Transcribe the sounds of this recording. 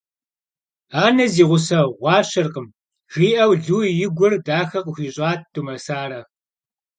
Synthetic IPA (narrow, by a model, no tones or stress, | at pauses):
aːnɐziːʁʷʊsɐʁʷɑːɕɐrqəm | ʒiːʔɐwɮuːjɪɡʷʊrdaːxɐqʊxʷiːɕʼɑːt̚ʰd̥umɐsaːɾɐ